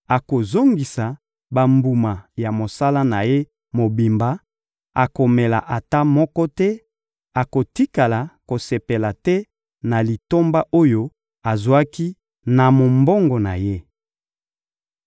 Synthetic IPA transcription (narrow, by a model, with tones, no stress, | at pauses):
a˨ko˨zo˦ŋɡi˨sa˨ | ba˨mbu˨ma˨ja˨mo˨sa˦la˦na˨je˦ | mo˨bi˨mba˦ | a˨ko˨me˨la̰˨ʔa˨ta˦mɔ˦kɔ˦tɛ˦ | a˨ko˨ti˦ka˨la˨ko˨se˨pe˨la˨tɛ˦ | na˨li˨to˦mba˦ʔo˦jo˦ | a˨zwa˦ki˦ | na˨mo˨mbo˦ŋɡɔ˨na̰˨je˦